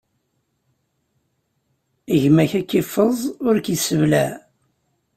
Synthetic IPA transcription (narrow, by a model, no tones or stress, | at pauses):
əʝmæçækːifəzˤʊɾkjəsəvlæ